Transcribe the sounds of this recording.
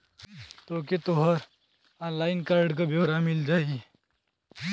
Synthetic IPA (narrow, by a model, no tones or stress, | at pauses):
t̪oːket̪oɦəɾ | ɔːnlaːɪnkaːɾɖkabeʋəɾamɪld͡ʒaːi